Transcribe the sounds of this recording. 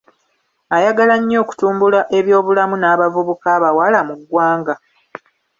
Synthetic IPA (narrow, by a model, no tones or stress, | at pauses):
ajaɡalaɲːo̞ːku̥tuːmbulaʔe̞βjo̞ːβulamunaːβavuβukaːβawalamuɡwaːŋɡa